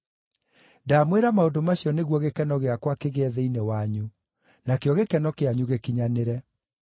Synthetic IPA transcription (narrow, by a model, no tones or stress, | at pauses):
daːmweɾamaondomaɕiɔneɣwɔɣekɛnɔɣeakwakeɣɛðɛinewaɲu | nakeɔɣekɛnɔkeaɲuɣekiɲaneɾɛ